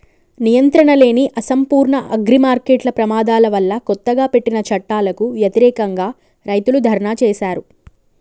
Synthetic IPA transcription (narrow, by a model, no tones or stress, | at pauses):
nijɐnt̪ɾɐɳɐle̞ːniʔɐsɐmpuːɾɳɐʔɐɡɾimaːɾkeːʈlɐpɾɐmaːd̪aːlɐʋɐlːɐkɔt̪ːɐɡaːpe̞ʈːinɐt͡ʃɐʈːaːlɐkuʋjɐt̪iɾɛːkɐŋɡaː | ɾɐjt̪ulud̪ʱɐɾɐɳaːt͡ʃɛːʃaːɾu